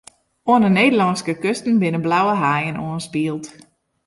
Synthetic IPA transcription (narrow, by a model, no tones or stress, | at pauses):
oənəneːdəlɑnskəkøstn̩bɪnəblawəɦajənoənspiəlˠt